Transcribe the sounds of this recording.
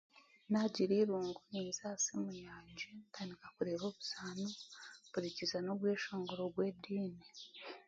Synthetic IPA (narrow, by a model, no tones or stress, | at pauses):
naɟiɾiɾuːŋɡuniːnzaːsimujaːɲd͡ʒentʰaːndikakuɾe̞ːβoːβuzaːnoβuɾicizanoβweːʃoːŋɡoɾoɡweːdiːne